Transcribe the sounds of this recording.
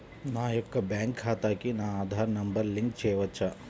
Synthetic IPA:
naːjɔkːɐbaːŋkhaːt̪aːkinaːaːd̪ʱaːɾnɐmbɐɾliŋk̚t͡ʃeːʋɐt͡ʃːa

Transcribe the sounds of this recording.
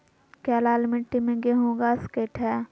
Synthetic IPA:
kɛːlaːlmɪʈːimẽɡeɦõːɡaːskeːʈɦɛː

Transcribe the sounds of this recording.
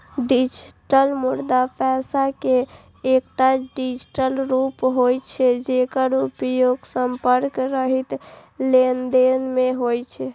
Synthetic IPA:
ɖid͡ʒʈəlmuɾd̪apʰɛsake | ek̚ʈaɖid͡ʒʈəlɾupɦojt͡ʃʰɛd͡ʒekəɾupjoɡsəmpəɾkɾəɦit̪ | lend̪enmeɦojt͡ʃʰɛ

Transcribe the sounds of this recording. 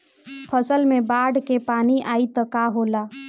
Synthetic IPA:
pʰəsəlmẽbaːɽkepaːniʔaːit̪əkaɦola

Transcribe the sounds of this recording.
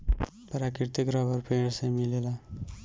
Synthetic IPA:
pəɾakɾiɾt̪ikɾɔbəɾpeɽsãmilela

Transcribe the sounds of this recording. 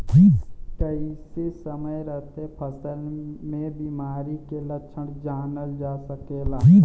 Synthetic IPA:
kəisesəməjɾəɦt̪epʰɐsəlmẽbiːmaːɾikeləʃʰəɽd͡ʒaːnəld͡ʒaːsəkeːlaː

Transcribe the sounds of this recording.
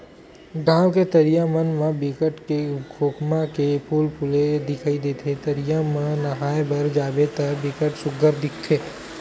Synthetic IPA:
ɡãːwket̪əɾijãmənmãbɪkəʈkeɡʰʱoːkmakepuːlpʰʊled̪ɪkʰaːid̪eːt̪ʰet̪əɾijamãnɐɦaːebəɾd͡ʒaːbet̪ɐɾbɪkəʈsʊɡəɾd̪ɪkʰt̪ʰeː

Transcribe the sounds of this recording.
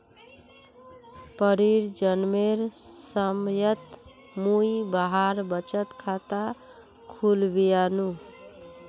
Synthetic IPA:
pəɾiɾd͡ʒənmeɾsəmjət̪ | mujbaɦaɾbət͡ʃət̪kʰat̪a | kʰulbijanu

